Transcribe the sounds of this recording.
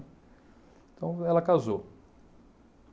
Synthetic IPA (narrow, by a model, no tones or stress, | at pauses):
t̪ɐ̃w̃ɛlɐkazo